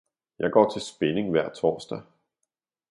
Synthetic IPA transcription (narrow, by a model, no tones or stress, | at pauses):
jɑ̈ɪɡ̥ɒ̰ːt͡sʰe̝lsb̥ene̝ŋʋæɐ̰t͡sʰɒ̰ːsd̥æ